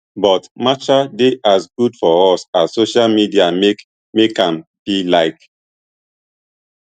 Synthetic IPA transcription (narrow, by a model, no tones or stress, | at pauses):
bɔtmat͡ʃadeʔazɡudfɔɔsazsoʃalmidiame | mekãmb̥ilaɪk